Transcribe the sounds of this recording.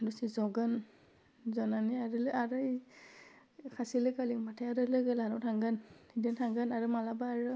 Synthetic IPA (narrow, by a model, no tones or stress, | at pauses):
dusizɔɡɯn | zɔnaniaɹɯlɯaɹɯj | kʰasilɯkalimatʰaaɾɯlɯɡɯlanɔtʰaŋɡɯniditʰaŋɡɯnaɹɯmalabaːɹɯ